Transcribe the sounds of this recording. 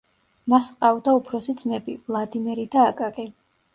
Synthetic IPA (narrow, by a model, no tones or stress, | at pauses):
masqʼavd̪aupʰɾɔsid̪z̥mɛbḭvlˠad̪imɛɾid̪aːkʼakʼi